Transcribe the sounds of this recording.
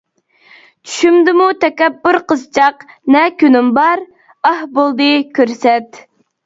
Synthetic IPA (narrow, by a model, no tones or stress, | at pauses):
t͡ʃʰy̥ʃymd̪ɪmut̪ʰɛkʲɛbːʊɾqəzt͡ʃʰɑqnɛkʲynɪmbɑɾ | ɑhbolˠd̪ɨkʲʰøɾsɛt̪